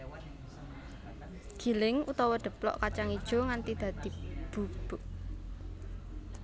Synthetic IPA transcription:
ɡ̥i̤lɪŋut̪ɔwɔɖ̪̥ə̤plɔ̰ʔkat͡ʃaŋid̥ʒ̥ɔ̤ŋant̪id̪̥ä̤d̪̥i̤b̥ṳb̥uʔ

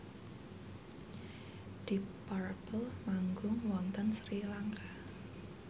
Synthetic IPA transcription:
d̥ipaɾbəlmaŋɡʊŋwɔnt̪ənsɾilaŋka

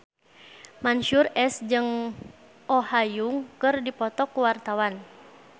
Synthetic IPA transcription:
manʃurɛsd͡ʒɨŋ | ʔɔhajuŋkɨrdipɔt̪ɔkuwart̪awan

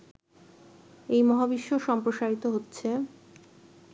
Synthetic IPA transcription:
ejmɔɦabiʃːoʃɔmpɾoʃaɾit̪oɦotːɕʰe

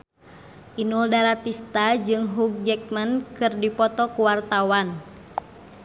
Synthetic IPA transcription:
ʔinuldaɾat̪ist̪ad͡ʒɨŋɦuɡ̚d͡ʒɛk̚mankɨrdipɔt̪ɔkuwart̪awan

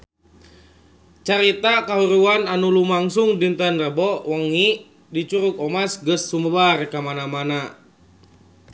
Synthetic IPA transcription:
t͡ʃaɾit̪akaɦuɾuananulumaŋsuŋdint̪anrəbɔwəŋi | dit͡ʃuɾukɔmasɡəsːuməbarkamanamana

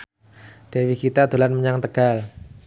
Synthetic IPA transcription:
d̥ewikit̪ad̪̥o̤lanməɲaŋt̪əɡ̥al

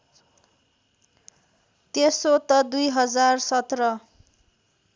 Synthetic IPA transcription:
t̪esot̪ʌd̪ujɦʌd͡zarsʌt̪rʌ

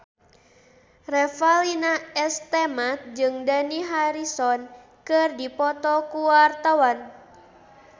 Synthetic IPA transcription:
rɛfalinaɛst̪ɛmat̪̚d͡ʒɨŋdaniɦaɾisɔn | kɨrdipɔt̪ɔkuwart̪awan

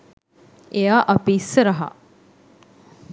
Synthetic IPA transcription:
ejaːʔɐpisəɾɐɦa̰

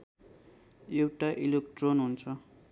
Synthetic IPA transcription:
ewʈaʔilek̚ʈronɦunt͡sʰʌ

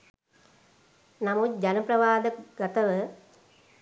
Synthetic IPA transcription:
namut̪̚d͡ʒanəpɾɐʋaːd̪əɡat̪əʋə

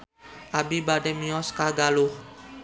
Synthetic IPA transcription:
ʔabibadɛmiɔskaɡaluh

